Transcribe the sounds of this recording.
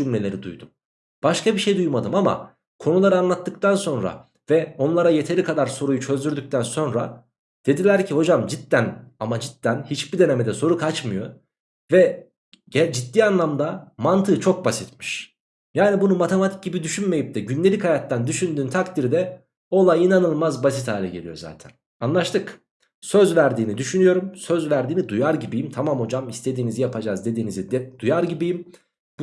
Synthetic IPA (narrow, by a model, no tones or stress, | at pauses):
d͡ʒymlʲe̞lʲe̞ɾid̪ṵjd̪um | b̥aʃkabiʃe̞jd̪ujmad̪ɯmama̰ | kʰo̞nulˠaɾɯanlˠat̪ːɯk̚t̪ʰanso̞nɾa̰ | vɛo̞nlˠaɾaje̞t̪ʰe̞ɾikʰad̪aɾso̞ɾujut͡ʃʰø̞zd̪yɾd̪yc̚ʲt̪ʰænso̞nɾa̰ | d̪̥e̞d̪ilʲæɾcʰiho̞d͡ʒamd͡ʒit̪ːænamad͡ʒit̪ːænhit͡ʃbid̪e̞nemɛd̪ɛso̞ɾukʰat͡ʃmɯjo̞̰ | vɛ | ɛd͡ʒit̪ːiːanlˠamd̪amant̪ʰɯt͡ʃʰo̞k̚basit̪mi̥ʃ | jaːnibunumat̪ʰe̞mat̪ʰi̥c̚ɟibid̪yʃynme̞jip̚t̪ʰɛɟynlʲeichajat̪ːand̪yʃynd̪yːnt̪ʰakt̪ʰiɾd̪ɛ | o̞lˠajinanɯlˠmazbas̬it̪haːlʲɛɟe̞lʲijo̞̰za̰ːt̪ʰæn | anlˠaʃt̪ʰɯk | søzvæɾd̪iːnid̪yʃynyjo̞ɾumsøzvæɾd̪iːnid̪ujaɾɟibijimt̪ʰamamo̞d͡ʒamist̪ʰe̞d̪iːnizijapʰad͡ʒaːzd̪e̞d̪iːnizid̪d̪̥ujaɾɟibijim